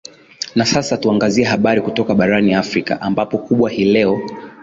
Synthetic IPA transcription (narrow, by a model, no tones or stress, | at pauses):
nasasatuaŋɡaziɛɦaɓaɾikutɔkaɓaɾaniafɾika̰ʔambapɔkuɓwahiːlɛɔ